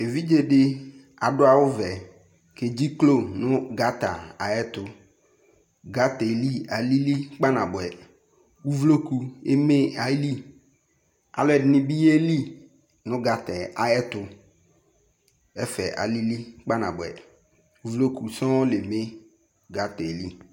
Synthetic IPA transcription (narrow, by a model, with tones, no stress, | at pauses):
e˨vi˦d͡ʒe˦ɖɪ˦ | a̰˨ɖʊ˦a˨wʊ˦vɛ˨ | ke˨d͡ʑi˦klo˦˨nʊ̃˦ɡa˦t̪a̰˨a˨jɛ˦t̪ʊ˨ | ɡa˦t̪ɛ˨li˦a˨li˦li˦k͡pa˦nã˨bʊ˨ɛ˨ | wu˦vlo˦ku˨e˦me˦a˨˦li˦ | a̰˨lɛ˦˨dnɪ̃˦bi˦je˦li˦ | nʊ̃˦ɡa˨t̪ɛ˨a˨jɛ˦t̪ʊ˨ | ɛ˦fɛ˨ʔa̰˨li˦li˦k͡pa˦nã̰˨bʊ˨ɛ̰˨ | u˨vlo˦ku˨sɔ̃˦lɪ˨me˦ | ɡa˦t̪ɛ˨li˦